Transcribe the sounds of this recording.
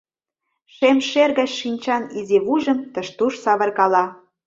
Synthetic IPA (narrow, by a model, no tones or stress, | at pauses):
ʃemʃerɣɑt͡ɕʃinʲt͡ɕɑniziβuʒə̆mt̪ə̆ʃt̪uʃsɑβə̆rɣɑlɑ